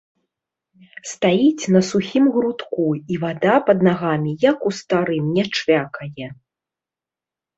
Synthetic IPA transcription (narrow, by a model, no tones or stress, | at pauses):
st̪ajit͡sʲn̪ɐsuxʲimɣɾut̪kuivad̪apɐd̪naɣamʲijɐkust̪aɾɨmnʲɛt͡ʂvʲakɐjɛ